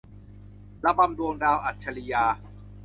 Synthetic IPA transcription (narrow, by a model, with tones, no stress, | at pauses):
la˦˥ba˧mdu˧əŋdaː˧wʔa˨˩t̪̚t͡ɕʰa˧li˧jaː˧